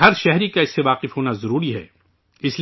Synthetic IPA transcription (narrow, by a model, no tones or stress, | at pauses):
ɦɐɾʃɛɦɾikaɪsːeʋaːqɪfɦoːnazɐɾuːɾiɦɛ̰ː | ɪsl